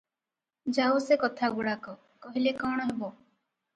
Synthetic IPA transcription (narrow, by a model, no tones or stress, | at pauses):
d͡ʒawsekɔt̪ʰaɡuɽakɔ | kɔɦilekɔɽ̃ɔɦebo